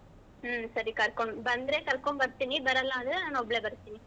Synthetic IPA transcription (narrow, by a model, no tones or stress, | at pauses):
sɐɾikɐɾkɐnbɐnd̪ɾeːkɐɾkombɐɾɯt̪ːɪnːibɐɾɐlːãːɐðɯanãːnɔbɐleːbɐɾɯt̪ːɪnːi